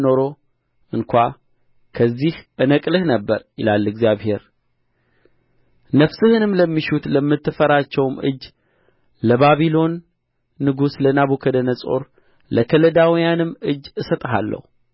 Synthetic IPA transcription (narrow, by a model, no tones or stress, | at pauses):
no̞ɾo̞ | ʔɨŋkʷa | kʰəzːihʔɨnəkʼlɨhnəbːəɾjɪlalːɨɡzijaβhe̞ɾ | nəfsɨhɨnɨmləmːiʃut̪ləmːɨt̪ːɨfəɾat͡ʃːɛwmɨ̰d͡ʒː | ləβaβilo̞nː | ɨɡuslənaβukʰəd̪ənəsʼo̞̰ɾ | ləkʰələd̪awijanɨmːɨd͡ʒːɨsət̪ʼɦa̰lːə̰hu